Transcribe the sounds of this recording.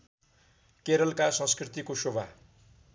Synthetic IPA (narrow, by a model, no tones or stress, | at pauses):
keɾʌlkasʌ̃nskrit̪ikosobʱa